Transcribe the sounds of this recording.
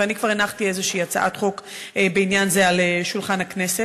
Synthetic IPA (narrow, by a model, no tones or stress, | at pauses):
anikv̥aʁenaχtie̞zeʃiːat͡sa̰ʔat̪χo̞kbeinjanzealeʃulχanhakneset